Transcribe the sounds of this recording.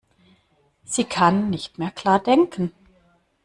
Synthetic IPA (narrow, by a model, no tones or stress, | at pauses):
z̥iːkʰanːɪçtmeːɐkʰl̥aːɐdɛŋkʰən̩